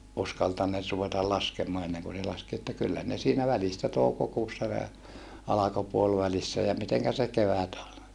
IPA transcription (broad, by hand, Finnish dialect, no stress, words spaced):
uskɑltɑnːeːt ruʋetɑl lɑskemoɑ enːeŋku se lɑski etːæ kylːæ ne siːnæ ʋælistæ toukokuːsːɑ ne ɑlɑko puolʋælisːæ jɑ miteŋkæ se keʋæt ol